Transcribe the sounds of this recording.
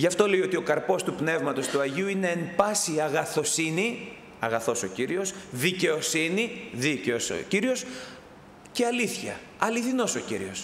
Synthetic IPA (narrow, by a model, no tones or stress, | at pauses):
ʝɐft̪o̞leio̞t̪io̞kɐɾpo̞st̪upne̞vmɐt̪o̞st̪uɐʝiuineempɐsiɐɣɐθo̞sini | ɐɣɐθo̞so̞ciɾio̞sðice̞o̞siniðiceoso̰ciɾio̞s | ce̞ɐliθçɐ̰ | ɐliθino̞so̞ciɾḭo̞s